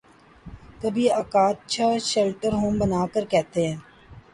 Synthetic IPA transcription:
kəbʱiːɐkaːt̪̚t͡ʃʰaːʃelʈəɾɦõːmbənaːkəɾkɛɦt̪eɦɛ̃ː

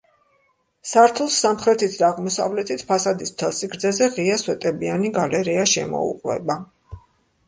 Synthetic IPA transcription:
saɾt̪ʰulˠsːamχɾɛt̪ʰit̪ʰd̪aːʁmɔsa̰vlɛt̪ʰit̪ʰpʰasad̪ist̪ʰɛlˠsikɾd̪zɛzɛʁiaswɛt̪ʼɛbianiɡalɛɾiaʃɛmɔ̰ṵqʼwɛ̰ba

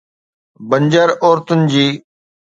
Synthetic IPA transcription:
bəɲd͡ʑəɾoːɾt̪ʊnɪ̆d͡ʑiː

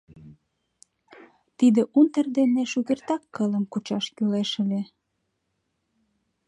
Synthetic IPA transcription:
t̪id̪eʔunt̪ərd̪eneʃuɣert̪ɑkːələmkut͡ɕɑʃkyleʃəlʲe

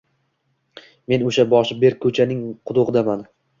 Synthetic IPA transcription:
me̞noʃabɒʃɪbe̞ɾkʰːɵt͡ʃʰanɪŋqʰʊd̪ʊʁɨd̪aman

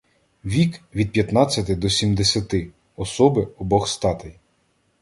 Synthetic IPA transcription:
ʋʲikʋʲid̪̚pʲjɐt̪nɑt͡sʲːɐt̪ɪd̪ɔsʲimd̪esʲɐt̪ɪ | ɔsɔbɪɔbɔxst̪ɑt̪ɪj

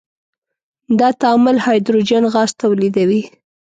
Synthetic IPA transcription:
d̪ɑt̪ɑmʊlhɑjd̪ɾod͡ʒanɣɑst̪awlid̪awi

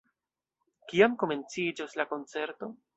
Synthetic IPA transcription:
kiamko̞me̞nt͡sid͡ʒoslako̞nt͡se̞ɾto̞

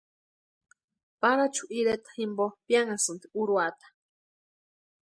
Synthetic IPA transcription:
paɾat͡ʃʰu̥ʔiɾet̪ḁhimbopjaŋasɨnt̪i̥uɾuat̪ḁ

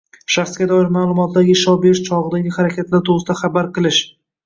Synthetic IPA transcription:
ʃaχsɡʲad̪ɒɪɾmalˠʊmɒt̪ʰd̪aɡʲɪʃɒbeʃt͡ʃʰɒʁɨd̪aɡʲɪχaɾakʲat̪ʰlaɾt̪ʰoɨst̪aχabaɾqɨlˠɪʃ

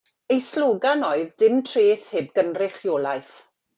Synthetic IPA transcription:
ejslˠʊːɡanɔɨðdɪmtʰreːθhɪb̚ɡənrɪχjoːlˠaɨθ

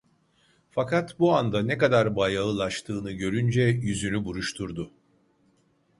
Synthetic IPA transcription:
fakʰat̪buand̪anɛkad̪aɾbajaɯlˠaʃt̪ʰɯːnɯɟø̞ɾynd͡ʒɛjyzynybuɾuʃt̪ʰuɾd̪ʊ

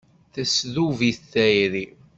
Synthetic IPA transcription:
θæsðuviθθæjɾi

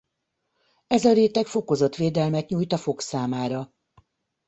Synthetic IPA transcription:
ɛzɒɾeːt̪ɛkfo̞ko̞zo̞t̪ʋeːd̪ɛlmɛt̪ɲuːjt̪ɒfo̞ksaːmaːɾɒ

